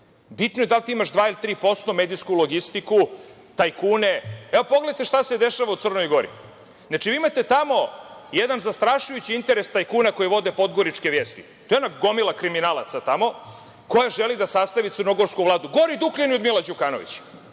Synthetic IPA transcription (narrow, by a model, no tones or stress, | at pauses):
bit̪nojed̪alt̪iimaʃd̪ʋaːilit̪ɾiːpo̞st̪omeːd̪iskulˠo̞ɡist̪iku | t̪ajkuːneeopoɡleat̪eʃt̪ase̞d̪eʃaʋaut̪sər̩no̞jɡo̞ɾḭ | nnat͡ʃiʋiːimat̪e̞t̪amo̞jed̪anzast̪ɾaʃujut͡ɕiint̪eɾest̪ajkuːnako̞jiʋo̞d̪epo̞d̪ɡo̞ɾit͡ʃkeʋjeːst̪i | t̪oeonaɡo̞milˠakɾiminaːlˠat̪sat̪amo̞ | ko̞jaʒelid̪asast̪aʋit̪srnoɡo̞ɾskuʋlˠaːd̪uɡo̞ɾid̪ukliniod̪milad͡ʑukaːno̞̰ʋḭt͡ɕ